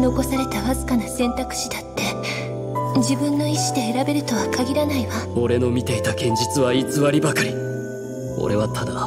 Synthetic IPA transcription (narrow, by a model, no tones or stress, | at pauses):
no̞ko̞saɾe̞t̪akazɨkanasẽ̞nt̪akɯ̟̥ɕid̪at̪ːe̞ | d͡ʑibɯ̟̃nːo̞iɕi̥d̪e̞ːɾabe̞ɾɯ̟t̪o̞βakaɡʲiɾanaiβao̞ɾe̞no̞mʲit̪e̞it̪aɡẽ̞ɲ̟d͡ʑit͡sɨβait͡sɨβaɾʲibakaɾʲi | o̞̰ɾe̞βat̪ʰad̪a